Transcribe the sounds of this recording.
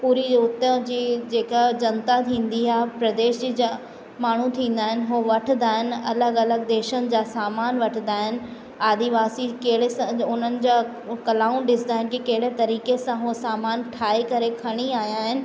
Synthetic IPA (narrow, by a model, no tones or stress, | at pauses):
puːɾiʊt̪əd͡ʑiːd͡ʑeːkad͡ʑɐnt̪at̪ʰĩːn̆d̪iɦaːɦpɾɐd̪eːʃd͡ʑiːd͡ʑa | maːɳ̤ũt̪ʰĩːn̆d̪aːɦɪnɪ̆ɦoʋɐʈʰɪnd̪aːɦɪnɐ̰ləɡɐləɡ̚d̪eːʃənɪ̆d͡ʑaːsaːmaːnʋɐʈʰɪnd̪aːɦɪnɪ̆ | aːd̪iʋaːsikɐɦɪɽesãʊn̤ənɪ̆d͡ʑaː | kɐlaːũɗɪsnd̪aːɦɪnɪ̆kikɐɦɪɽet̪ɐɾiːkesãɦusaːmaːnʈʰaːekɐɾekʰɐɽ̃iaːijaːɦɪnɪ̆